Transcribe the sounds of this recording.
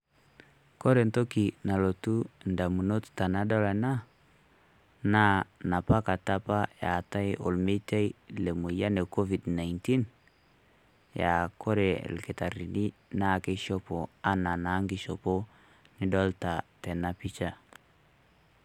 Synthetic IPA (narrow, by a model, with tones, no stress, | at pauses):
ko˦ɾe˨nto˦ki˨na˨lo˨tu˦nda˨mu˨no˦tta˨na˦dɔ˦la˨na˦ | na˦na˨pa˦ka˨ta˦pa˦ja˨ta˦jʔo̰˨lme˦ta˦i˦le˨mu˨ja˦ne˨ko˦vi˨dna˨jnti˦n | ja˨ko˦ɾḛ˨lkɪ˨ta˨ɾi˨ni˦na˦˨ke˦ʃɔ˦po˨a˦na˨na˨˦ŋɡɪ˦ʃo˨po˦ | nɪ˦dɔ˦lta˨tɛ˨na˦pi˦t͡ʃa˦